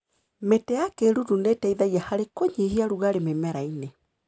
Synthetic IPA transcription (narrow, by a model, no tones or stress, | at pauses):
metɛakeɾudunetɛiðaɣijahaɾekoɲihiaɾuɣaɾememɛɾaine